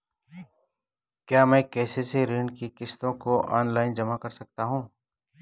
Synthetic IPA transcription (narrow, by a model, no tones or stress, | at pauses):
kjaːmɛ̃ːkɛːseseɾɪɳɖkikɪst̪õkoʔa̰ːnlaːɪnd͡ʒɐmakɐɾsɐk̚t̪aɦũː